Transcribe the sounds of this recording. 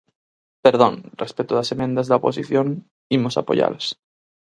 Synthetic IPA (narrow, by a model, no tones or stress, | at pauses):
peɾðõnrespet̪oðasemẽnd̪azðaopo̞̰siθjon | imosa̰po̰ʝa̰las